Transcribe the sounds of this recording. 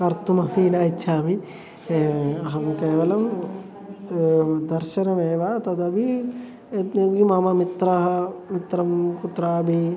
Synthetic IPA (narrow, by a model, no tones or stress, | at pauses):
kɐɾt̪umɐfiːnaːitːt͡ʃʰaːmi | ɦɐmkeːʋɐlɐm | d̪ɐɾʃɐnɐmeːʋaːt̪ɐd̪ɐbʱi | et̪niɡimaːmamit̪ɾɐɦɐmit̪ɾɐmkut̪ɾaːbʱi